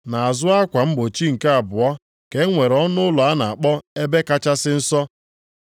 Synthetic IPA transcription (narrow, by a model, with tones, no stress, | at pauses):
na˨a˨zʊ˦a˦kʷa˨m̩˦ɡ͡bo˨t͡ʃi˦ŋ̩˨ke˦a˨bʊ˨ɔ˦ | ke˨˦ŋʷe˨ɾɔ˦nʊ˦ʊ˦lʊ˨a˦na˨a˨k͡pɔ˦e˦be˦ka˦t͡ʃa˦sɪ˦n̩˦sɔ˦